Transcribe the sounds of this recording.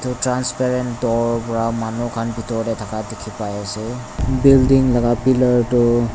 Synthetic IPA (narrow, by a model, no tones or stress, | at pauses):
tʊtɹanspɛɹɛntdɔɹpɔɹamanukʰanbʱitɔɹdɛtʰakadɛkʰipajasɛ | bildiŋlaɡapilɔɹtʊ